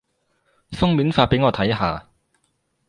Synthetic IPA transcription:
fʊ˥ŋmiː˨˥nfaː˧t̚pe˨˥jŋɔː˨˧t̪ʰɐ˨˥jɦa̰ː˨˧

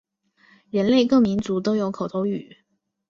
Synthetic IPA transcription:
ɻə˧˥nle˥˧ɪkɤ˥˩mi˧˥nt͡su˧˥t̪o˥ʊjo˧˥ʊkʰo˨˩t̪ʰo˧˥ʊy̰˨˩˦

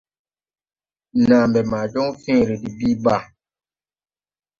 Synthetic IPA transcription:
naː˨mbɛ˨ma˨d͡ʒɔ˦ŋfĩ˦ɾe˨di˨bi˦ba˦˨

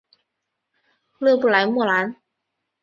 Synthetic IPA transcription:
lɯ˥˩˨bu˧˥˩laː˨˩˦jmu˧˩əlaː˨˦˥n

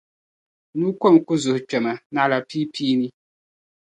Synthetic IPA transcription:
nu˦kɔ˦˨nku˦zu˨ht͡ʃɛ˨ma˨na˦˨˦la˨piː˦pʰiː˦ni˦

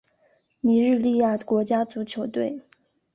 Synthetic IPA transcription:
ni˨˩˥ɻɻ̩˥˧li˥˧ja˥˩kwɔ˧˥t͡ɕja˥t͡su˧˥t͡ɕʰjo˧˥ʊt̪we˥˩ɪ

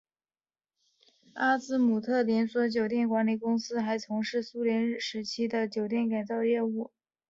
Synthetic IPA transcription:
a˥t͡sɹ̩˥mu˨˩t̪ʰɤ˥˩ljɛ˧˥nswɔ˧˥t͡ɕjo˨˩ʊt̪̬jɛ˥˩nkwa˧˥nli˨˩kʊ˥ŋsɹ̩˥xa˧˥ɪt͡sʰʊ˧˥ŋʂɻ̩˥˩su˥ljɛ˧˥nɻ̩˥˩ʂɻ̩˧˥t͡ɕʰi˥d̪ə˨t͡ɕjo˨˩ʊt̪̬jɛ˥˩nka˨˩nt͡sɑ˥˧ʊjɛ˥˧u˥˩

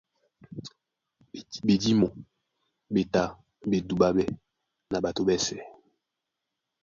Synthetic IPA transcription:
be˨di˦mɔ˨ | be˨ta˦ | be˨du˨ɓa˦bɛ˦ | na˨ba˨to˦bɛ˦sɛ˨

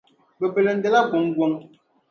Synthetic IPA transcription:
bə˨be˨le˨n̩˦dɛ˨la˦ɡwo˨˦ŋɡwo˦ŋ

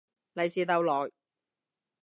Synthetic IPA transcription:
lɐ˨jsiː˨t̪ɐ˨˧wlɔː˨˩j

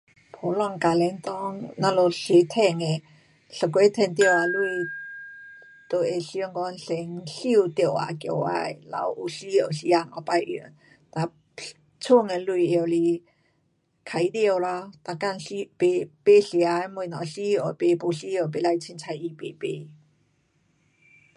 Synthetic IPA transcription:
pʰo˨˦lɔ˧˨ŋka˨lɛ˧˦nt̪ɔ˦ŋnã˧lo˧˩ɬe˧˦t̪ʰɛ˧˩ŋe˨ | ɬə˨ke˧˦t̪ʰɛ˧nt̪jə˧˨wa˨˧lu˧ | t̪o˨e˧˨ɬi˧ɔ˧˦ŋkɔ˧˦nɬe˧ŋɬi˧u˨˧t̪i˧˨wa̰˨˧˨kjo̰˨wa̰˧jla̰˨˧˦wu˨ɬi˧˦jo˨˧˩ɬi˧˦a˧ŋɔ̰˨˧˩pa˧jʔi˧˨n | t̪a˧˨ | t͡sʰu˥˧˨ŋe˨lu˧i˨ə˨˩wli˧ | kʰa˧˨i˧˦d̪i˧ə˧˨wlɔ˧t̪a˧˩ka˥˧˨nɬi˧˦pe˧pe˦ɬi˧˨a˧mwu˧˨nɔ˨ɬi˦˧ɔ˨pe˧˦po˧ɬi˦o˨˩˨pe˧˨la˧jt͡ɕʰi˧nt͡sʰa˧ji˧pe˧˨pe˧˦

